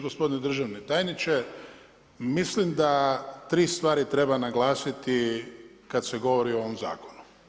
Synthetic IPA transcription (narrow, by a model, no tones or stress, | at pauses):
ɡospo̞d̪ined̪r̩ʒaʋnet̪aːjnit͡ʃe | mislimd̪at̪ɾiːst̪ʋaːɾit̪ɾe̞banaɡlaːsit̪i | kad̪se̞ɡo̞ʋo̞ɾioo̞ʋomza̰ːko̞nu